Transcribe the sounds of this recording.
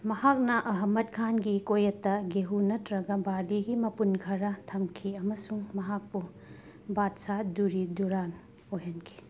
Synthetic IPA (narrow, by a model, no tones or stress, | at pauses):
mɐhak̚nɐʔɐɦɐmɐt̚kʰanɡikojɐtːɐɡeɦunɐtɾɐɡɐbaɾdiɡimɐpunkʰɐɾɐtʰɐmkʰiɐmɐsuŋmɐɦak̚pu | batsaduɾiduɾan | ojɦɐnkʰi̥